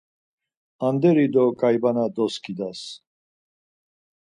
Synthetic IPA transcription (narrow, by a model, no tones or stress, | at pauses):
and̪ɛɾid̪ɔkʼajbanad̪ɔskʰʼid̪as